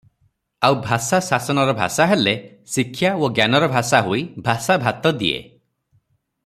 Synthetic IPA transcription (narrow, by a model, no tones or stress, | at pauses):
awbʱasasasɔnɔɾɔbʱa̰saɦelesikʰːjaoɡjanɔɾɔbʱasaɦuibʱasabʱat̪ɔd̪ḭḛ